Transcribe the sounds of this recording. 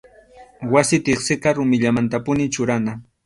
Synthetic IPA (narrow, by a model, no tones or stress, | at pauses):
wasɪt̪ɪχsɪqɑɾʊmɪʎamant̪apʊnɪt͡ʃʊɾana